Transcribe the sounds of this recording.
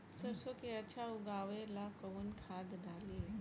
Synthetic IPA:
səɾsokeət͡ɕʰauɡaʋelakəʋunkʰad̪ɖale

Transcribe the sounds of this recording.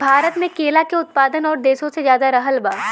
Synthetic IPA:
bʱaːɾət̪mẽkeːlakeʊt̪̚paːd̪ənɔːɾd̪eːʃõsezjaːd̪aɾɐɦəlbaː

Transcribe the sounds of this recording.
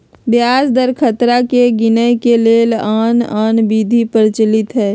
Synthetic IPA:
bjaːsd̪əɾkʰət̪ɾakeɡɪnəjkeleːlaːnaːnbiːd̪ʱipəɾt͡ʃəlɪt̪ɦɛː

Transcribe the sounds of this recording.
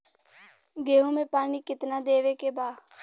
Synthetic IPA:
ɡeːɦõmẽːpaːniːkɪt̪naːd̪eːʋeːkebaː

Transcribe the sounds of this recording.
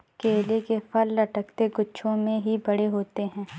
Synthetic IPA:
keːlekepʰɐɾːɐʈəkt̪eɡʊːʃʰõmẽɦibɐɽeɦoːt̪eɦɛ̃ː

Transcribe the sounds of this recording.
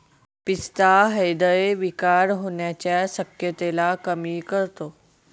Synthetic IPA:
pist̪aɦəjd̪əjʋikaɾɦoɳjat͡ɕjasəkjət̪elakəmiːkəɾt̪o

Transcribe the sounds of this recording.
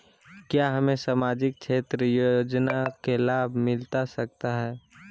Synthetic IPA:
kjaɦəmẽsamaːd͡ʒɪk̚t͡ʃʰeːt̪ɾəjod͡ʒnakelaːbʱmɪlt̪asək̚t̪aɦɛː

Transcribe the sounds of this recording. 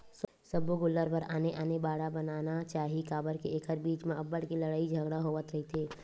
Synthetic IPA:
s | səboɡʊlːəɾpəɾaːneʔaːnebaːɽabənaːnat͡ʃaːɦikaːbəɾkeeːkʰəɾbiːt͡ʃmẽɐbːəɽkilɐɽaːid͡ʒʱɐɡɽaɦoːʋət̪ɾɐɦit̪ʰeː

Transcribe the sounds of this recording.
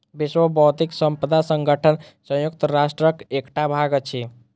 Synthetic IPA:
biswəbɔwt̪iksəmpəd̪asəŋɡəʈʰənsə̃jukt̪əɾasʈɾəkekʈabʱaɡət͡ʃʰi

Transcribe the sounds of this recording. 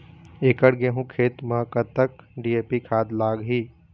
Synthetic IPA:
eːkəɽɡeɦũkʰeːt̪mə̃kət̪əkɖiːeːpikʰaːd̪laːɡɦiː

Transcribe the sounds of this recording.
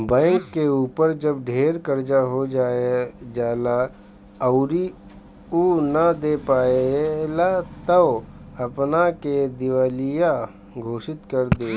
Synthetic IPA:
bɛ̃ːŋkːeuːpəɾd͡ʒɐbɖʱeːɾkəɾd͡ʒaɦod͡ʒaːed͡ʒaːla | ɐʊɾi | unad̪eːpaːeelat̪əʋ | ɐpnaked̪ɪʋaːlija | ɡʱoːʃɪt̪kɐɾd̪eː

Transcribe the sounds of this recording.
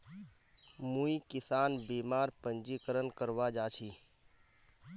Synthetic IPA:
muikɪsaːnbiːmaːɾpənd͡ʒiːkəɾənkəɾʋad͡ʒaːt͡ʃʰiː

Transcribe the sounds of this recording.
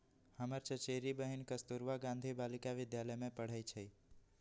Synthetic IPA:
həməɾt͡ʃət͡ʃeɾibəɦinkəst̪uɾʋaɡãnd̪ʱibalɪkaʋɪd̪jaləjmẽpəɽ̤əjt͡ʃʰəi

